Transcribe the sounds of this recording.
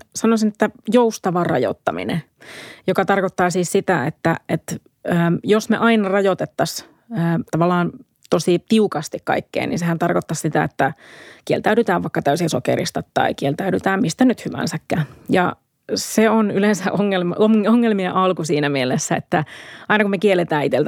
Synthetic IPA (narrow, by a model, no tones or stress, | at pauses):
sɑnosinet̪ːæjoust̪ɑʋɑrɑ̰jo̰t̪ːɑmḭnḛ | jokɑt̪ɑrkot̪ːɑːsiːssit̪æet̪ːæʔet̪ | əːjosmḛʔɑinɑrɑjot̪et̪ːɑs | əːt̪ɑʋɑlːˑɑːn | t̪osit̪iukɑst̪ikkɑ̰ikːḛːnḭnsehænt̪ɑrkot̪ːɑssit̪æ̰et̪ːækielt̪æyɾyt̪æːʋʋɑikːɑt̪æysisokḛɾḭst̪ɑt̪ːɑ̰ikielt̪æyɾyt̪æːmist̪ænyt̪hyʋæ̰nsækːæːjɑ̰ | seonylensæʔoŋːelmoŋoŋːelmiɑʔɑlkusiːnæmielesːæḛt̪ːæɑinɑkumekielːet̪æːit̪elt̪